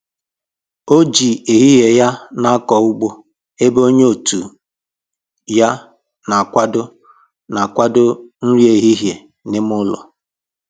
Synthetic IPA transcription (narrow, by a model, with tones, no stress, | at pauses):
o˦d͡ʒi˨e˨ɦi˦ɦje˨ja˦na˦a˦kɔ˨u˦ɡ͡bo˦ | e˦bo˦ɲ˦o˨tu˨ | ja˦ | na˨a˨kʷa˦dʊ˦ | na˨a˨kʷa˦dʊ˦n̩˦ɾje˨ɦi˦ɦje˨ | nɪ˦m˦ʊ˦lɔ̰˨